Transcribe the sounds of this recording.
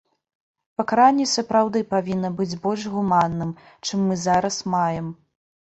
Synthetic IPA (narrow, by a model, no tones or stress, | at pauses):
pɐkaɾanʲːɛsɐpɾawd̪ɨpavʲinːɐbɨd͡zʲbɔlʲʐɣumanːɨm | t͡ʂɨmːɨzaɾɐsmajɛm